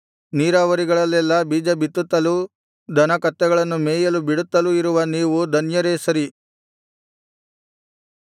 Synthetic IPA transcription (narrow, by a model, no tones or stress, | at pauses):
niːɾaːʋɐɾiɡɐɭɐlːɛlːɐbiːd͡ʒɐbit̪ːut̪ːɐlu | d̪ʱɐnɐkɐt̪ːɛɡɐɭɐnːumeːjɐlubiɽut̪ːɐluiɾuʋɐniːʋud̪ʱɐnjɐɾeːsɐɾi